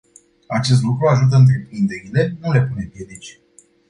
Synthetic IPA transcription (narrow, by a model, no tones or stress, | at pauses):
at͡ʃe̞s̬t̪lukɾuaʒut̪̬əɨnt̪̬ɾe̞pɾind̪e̞ɾile̞nule̞pune̞pje̞d̪it͡ʃʲ